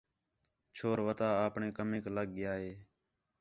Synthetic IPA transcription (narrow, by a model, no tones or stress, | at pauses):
t͡ʃʰoːɾʋət̪aːaːpɳeːkəmẽːkləɠ̚ɡɪjaːɦeː